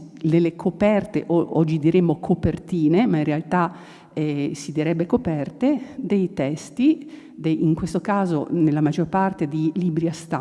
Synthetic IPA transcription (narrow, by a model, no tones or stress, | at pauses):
nelːekʰopɛrt̪eʔoɔd͡ʒːid̪iɾemːokʰopert̪iːnemainrealt̪a | ɛsid̪iɾɛbːekopɛrt̪ed̪ejt̪ɛst̪i | d̪ejiŋkwest̪okaːzo̰nelːamad͡ʒorpart̪ed̪ilibɾiast̪a